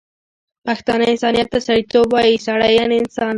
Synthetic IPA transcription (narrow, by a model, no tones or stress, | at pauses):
paxt̪ɑnaɪnsɑːnijat̪ːasaɾit̪obaisaɽajanɪnsɑn